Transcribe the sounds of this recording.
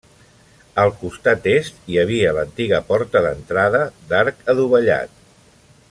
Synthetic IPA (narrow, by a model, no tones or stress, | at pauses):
əlˠkust̪at̪est̪iəβiələnt̪iɣəpɔɾt̪əðənt̪ɾaðəd̪aɾkəðuβəʎa̰t̪̚